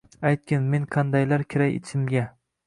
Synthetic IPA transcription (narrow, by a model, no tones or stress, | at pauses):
ajt̪̚kʲɪnmeŋqʰɑnd̪ajlaɾkʲʰɪɾajɪ̰t͡ʃʰɪmɡʲa